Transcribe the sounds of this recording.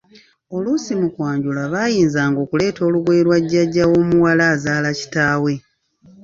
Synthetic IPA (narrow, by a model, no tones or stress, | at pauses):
o̞lusimukwaːɲɟulaβajiːnzaːŋɡo̞ːkule̞ːto̞ːluɡweːɾwaɟːaɟːawo̞muwalaːzaːlaci̥taːwe̞